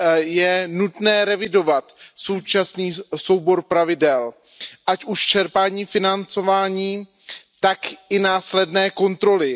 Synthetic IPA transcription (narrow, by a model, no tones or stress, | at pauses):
jɛnut̪nɛːɾɛvɪdo̞vat̪so̞wt͡ʃasniːso̞wbo̞ɾpɾavɪdɛl | ʔacuʃt͡ʃɛɾpaːɲiːfɪnant͡so̞vaːɲiː | t̪akʔɪnaːslɛdnɛːko̞nt̪ɾo̞lɪ